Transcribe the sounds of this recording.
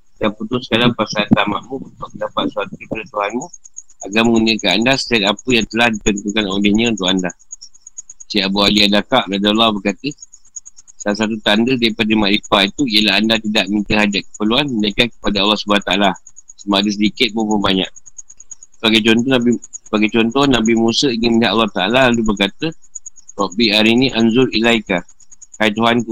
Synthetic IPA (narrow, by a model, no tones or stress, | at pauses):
daput̪ʊsə̥kaɾaŋpasalt̪ama̰ʔmũunt̪ʊʔ̚məndapat̪̚suat̪uipəɾət̪uɦanmũaɡaməŋunəkaandasə̥t̪iat̪apəjaŋt̪əlahdit̪ənt̪ukano̰lɪhɲə̃unt̪ʊʔkanda | siaʔbualiadakaʔladolabəkat̪ə | salas̬at̪ut̪andədaɾipadəmaʔlipait̪uiəlaɦandat̪idaʔmint̪əɦad͡ʒaʔ̚kə̥pəluanmənakakə̥padaalːahsubuaht̪aala | səmaʔadəs̬ədikɪt̪̚mopənbaɲã̰ʔ̚ | səbaɡajt͡ʃɔnt̪ɔnabisəbaɡat͡ʃɔnt̪ɔhnabimusəiniməɦaʔalːaht̪aalalalubərkat̪ərɔʔbiaɾinĩʔanzʊɾilajka | hajt̪uɦanku